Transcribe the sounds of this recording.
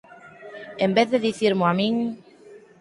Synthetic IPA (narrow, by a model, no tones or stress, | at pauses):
embeððeðiθiɾmʊamĩŋ